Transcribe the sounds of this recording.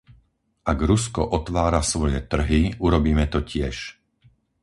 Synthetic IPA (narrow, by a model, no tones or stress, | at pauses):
ʔaɡɾuskɔ̰ʔɔt̪ʋaːɾasʋɔjɛt̪r̩ɦiuɾɔbiːmɛt̪ɔcɪɛʃ